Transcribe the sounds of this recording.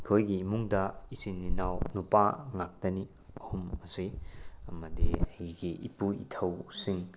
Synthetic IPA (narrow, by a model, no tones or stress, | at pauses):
kʰojɡiːmuŋdɐisinːinawnupaŋak̚tɐni | ɐhumɐsiɐmɐdiajɡiʔḭpuḭtʰɐwsiŋ